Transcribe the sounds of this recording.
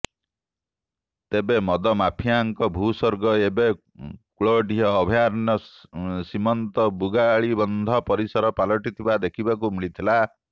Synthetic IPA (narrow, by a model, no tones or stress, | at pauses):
t̪ebemɔd̪ɔmapʰijaŋkɔbʱusɔɾɡɔebe | kuɭɔɖiɦɔːbʱijaɾnɔsimɔnt̪ɔbuɡaɭibɔnd̪ʱɔpɔɾisɔɾɔpalɔʈit̪ʰibad̪ekʰibakumiɭit̪ʰila